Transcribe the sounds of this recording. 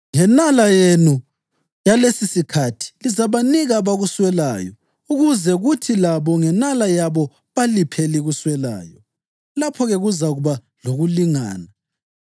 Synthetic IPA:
ŋɛnalajenu | jalesisikʰatʰi̥lizaβaniɣaβaɣuswɛla̰ːjɔ | uɣuzɛɣutʰilaβɔŋɛnalajaβɔ | βalipʰɛliɣuswɛla̰ːjɔ | lapʰɔɣeɣuzaɣuβa | loɣuliŋa̰ːna

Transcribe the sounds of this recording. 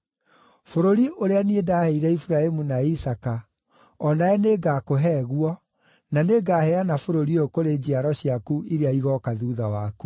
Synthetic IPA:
foɾoɾiʔoɾeaniedaːhɛiɾɛifuɾaemunaisaka | ɔnaɛneɡakoɦɛːɣwɔ | naneɡaːhɛanafoɾoɾiokoɾed͡ʑiaɾɔɕiakuʔiɾeaiɣɔkaðuːðawaku

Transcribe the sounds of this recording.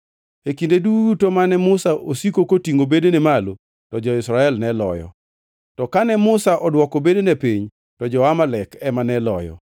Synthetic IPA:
ekindeduutomanɛmʊsaʔosikokotiŋobedenemalo | tɔd͡ʒɔɪsɾaɛlnɛlɔ̰jɔ̰ | tɔkanɛmʊsaʔɔdwɔkɔbedenepiɲ | tɔd͡ʒɔwamalɛkɛmanɛlɔ̰jɔ̰

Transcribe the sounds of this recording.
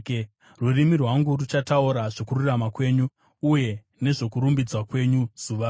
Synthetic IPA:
rurimirwaŋɡurut͡ʃatauɾaʐokururamakwe̞ːɲuː | je̞ | ne̞ʐo̞kuɾumbid͡zwakwe̞ɲuz̥uʋa

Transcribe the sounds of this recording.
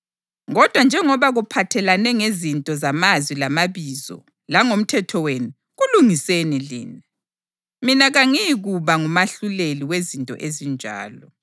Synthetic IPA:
ɣɔd̥ʱwand͡ʒʱɛŋɔβaɣupʰatʰɛlanɛŋezintʼɔzamazwilamaβizɔ̰ | laŋom̩tʰɛtʰɔwenu | ɣuluŋisenilḭːna | minaɣaŋijɣuβaŋumaɬuleliwezintʼɔ̰ʔezind͡ʒʱa̰ːlɔ

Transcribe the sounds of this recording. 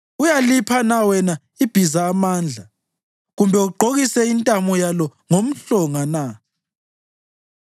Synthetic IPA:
ujalipʰanawɛna | ib̥ʱizaːmaːnd͡ɮʱa | ɣumbʱɛuɡ͡ǃʱoɣisɛintʼamɔjalɔŋom̩ɬɔŋana

